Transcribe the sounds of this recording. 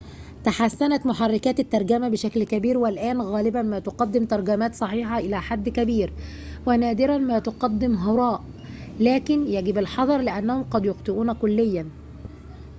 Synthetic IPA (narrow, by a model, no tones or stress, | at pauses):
t̪aħasːænæt̪mʊħarˤːɪkæːt̪ɪt̪ːɑɾˤɡæmæbɪʃæklkæbiːɾwɪlʔæːnɣæːlɪbænmæːt̪oqɑd̪ːɪmt̪ɑɾˤɡæmæːt̪sˤɑħiːħɑʔɪlæːħad̪ːkæbiːɾ | wɪnæːd̪ɪɾænmæːt̪oqɑd̪ːɪmɦɑɾˤɑːʔ | læːkɪnjæɡɪbɪlħɑd̪ˤɑɾˤlɪʔænːæhomqɑd̪joqt̪ˤɨʔuːnækʊlːɪjːæn